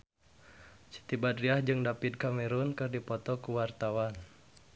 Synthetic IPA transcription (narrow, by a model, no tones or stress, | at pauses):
t͡ʃi̥t̪ibad̪riahd͡ʒɨŋdapid̪̚kamɛɾunkɨrdipɔt̪ɔkuwart̪awan